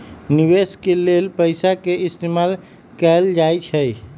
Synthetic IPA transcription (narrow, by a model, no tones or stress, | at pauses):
niweskelelpəɪsakeist̪emal | kɛld͡ʒajt͡ʃʰəj